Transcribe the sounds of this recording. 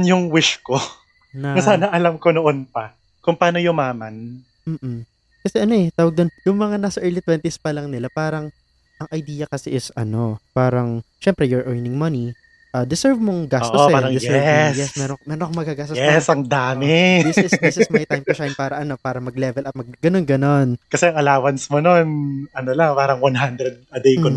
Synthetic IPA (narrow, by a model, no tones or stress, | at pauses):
njʊŋwɪʃko | nɐnɐsaːnɐʔɐlɐmkonoʔonpɐ | kʊŋpɐaːnojʊŋmaːmɐn | m̩ːʔ̩ | kɐsɛʔɐno̞ʔɛt̪aːwɐɡ̚d̪onjʊŋmɐŋanaːsɐʔɛːɹlit̪wɛnt̪ispɐlɐŋnɪlapaːɾɐŋ | ʔɐŋʔɐjd̪iːjɐkɐsɛʔɪsɐno̞paːɾɐŋʃɛmpɾɛjoɹʔɛɹnɪŋmɐni | ʔɐːd̪ɪsɛɹvmoŋɡastːʔ̪oospaːɾɐŋd̪jɛɛsjɛsmɛːɾomɛɾonkoŋmɐɡaɡaːst̪ojɛsɐŋd̪aːmɛdɪsɪsd̪ɪsɪsmɐjt̪ajmpʃajmpaːɾɐʔɐno̞paːɾɐmɐɡlɛvɛlʔɐt̚mɐɡɡɐno̞nɡɐno̞nkɐsɛɐŋɐlaːwɐnsmononɐnolɐŋpaːɾɐŋwanɦand̪ɾɛd̪̚ɐd̪ejko